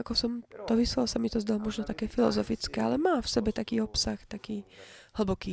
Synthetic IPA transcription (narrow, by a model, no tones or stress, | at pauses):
akɔsɔmt̪ɔʋislalsamit̪ɔzd̪alɔmɔʒnɔt̪akɛːfilɔ̰zɔfit͡skɛːalɛmaːfsɛbɛt̪akiːɔpsaxt̪akiːɦl̩bɔkiː